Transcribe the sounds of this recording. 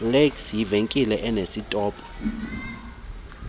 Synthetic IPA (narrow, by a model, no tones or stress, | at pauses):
leksjiveŋkʼilɛʔɛnesitʼɔːpʰʼɔ̥